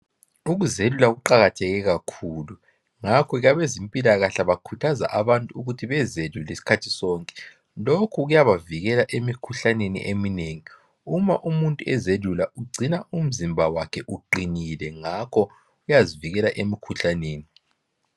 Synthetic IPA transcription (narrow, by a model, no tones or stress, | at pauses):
uɣuzelulaɣuǃaɣatʰɛɣɛɣakʰuːlu | ŋakʰɔɣaβezimpʼilaɣaɬaβakʰutʰaza̰ʔaβantʼuuɣutʰiβɛzedulesi̥kʰatʰi̥sɔːŋkʼɛ̥ | lokʰuɣujaβaviɣɛlaʔemikʰuɬanenḭʔemineŋi | uma̰ʔumuntʼuɛzelulauɡ͡ǀʱinaʔum̩zimbʱawakʰɛʔuǃinilɛŋakʰɔ | ujaziviɣɛlaʔemikʰuɬaneːni